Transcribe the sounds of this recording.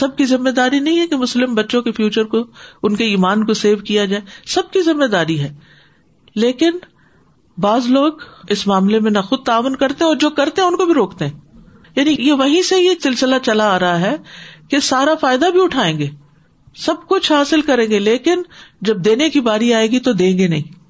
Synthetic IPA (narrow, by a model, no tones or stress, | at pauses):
sɐb̚kizɪmːed̪aːɾinɐɦĩɦɛkemʊslɪmbɐtːʃõkefjuːt͡ʃəɾkoʊnkeiːmaːnkoseːʋkijad͡ʒaːesɐb̚kizɪmːed̪aːɾiɦɛː | leːkɪn | baːzloːɡɪsmaːmlemẽnɐxʊd̪̚t̪aːʋʊnkɐɾt̪eɦɛ̃ɔːɾd͡ʒoːkɐɾt̪eɦɛ̃ʊnkobʱiɾoːkt̪eɦɛ̃ː | jaːnijeʋɐɦĩseɦieːksɪlsɪlat͡ʃɐlaːɾɐɦaɦɛkesaːɾafaːɪd̪abʱiʊʈʰaːẽːŋɡeː | sɐb̚kʊt͡ʃʰɦaːsɪlkɐɾẽːɡeleːkɪnd͡ʒɐb̚d̪eːnekibaːɾiaːeːɡit̪od̪ẽːŋɡenɐ̰ɦĩː